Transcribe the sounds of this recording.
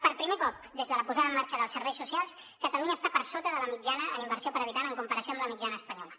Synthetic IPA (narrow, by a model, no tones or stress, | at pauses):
pəɾpɾimekɔp̚ | d̪ezðələpuzaðəːmːaɾt͡ʃəðəlˠsəɾβɛjsːusialˠs | kət̪əluɲəːst̪apəɾsot̪əðələmid͡ʒanəə̰nimbəɾsiopəɾəβit̪anəŋkumpəɾəsioəmbləmid͡ʒanəːspəɲɔlə